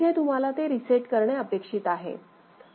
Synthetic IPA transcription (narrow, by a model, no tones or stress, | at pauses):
et̪um̤alat̪eɾiseʈkəɾɳeəpekʂit̪aɦḛ